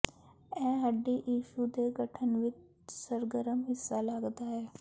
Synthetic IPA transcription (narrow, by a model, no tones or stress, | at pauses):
ɛ̃ːɦəɖiːʔiːʃud̪eːɡəʈʰənʋɪt͡ʃ | səɾɡəɾəmɦɪsːaːləɡd̪aːɦɛː